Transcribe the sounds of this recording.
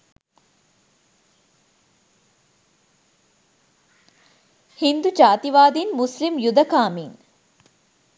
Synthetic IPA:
hind̪ud͡ʒaːt̪iʋaːd̪inmuslimjud̪ɐkaːmiŋ

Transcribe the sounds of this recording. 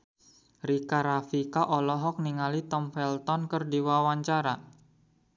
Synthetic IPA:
rikaɾafikaʔɔlɔɦɔk̚niŋalit̪ɔmfɛlt̪ɔnkərdiwawaɲt͡ʃaɾa

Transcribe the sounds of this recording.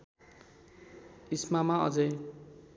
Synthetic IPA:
ismamaʌ̰d͡zʌj

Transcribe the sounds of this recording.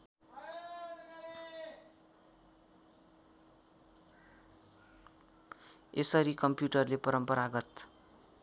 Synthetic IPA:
esʌɾikʌmpjuʈʌrlepʌɾʌmpʌɾaɡʌt̪

